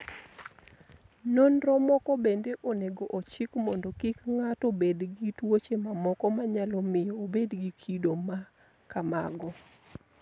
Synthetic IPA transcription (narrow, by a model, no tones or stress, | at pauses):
nɔnrɔmɔkɔbendeʔoneɡoʔot͡ʃɪkmɔndɔkɪkŋatobedɡitwot͡ʃemamɔkɔmaɲalɔmɪjɔːbedɡikʰidoma | kama̰ɡɔ